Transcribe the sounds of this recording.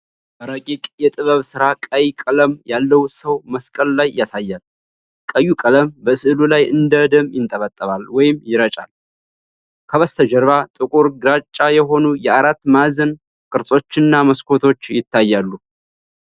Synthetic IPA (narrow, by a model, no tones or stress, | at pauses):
bəɾəkʼikʼjɛt̪ʼɨβəβsɨɾakʼəjkʼələmjalːəwsəwməskʼəlːajːasajːal | kʼəjːukʼələmbəsɨʔlulajʔɨnd̪əd̪əmjɪnt̪ʼəβət̪ʼːəβalwɔjɪmjɪɾət͡ʃʼa̰l | kʰəβəst̪ʰəd͡ʒəɾβat̪ʼɨkʼuɾɡɨɾat͡ʃʼajɛɦo̞nujɛaɾat̪ːmazən | kʼɨɾsʼo̞t͡ʃːɪnːaməskʰo̞t̪ʰo̞t͡ʃːjɪt̪ʰːajːalːu